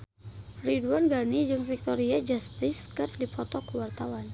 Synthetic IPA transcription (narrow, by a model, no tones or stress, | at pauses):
riduanɡanid͡ʒɨŋfik̚t̪ɔɾiad͡ʒast̪ɪskɨrdipɔt̪ɔkəwart̪awan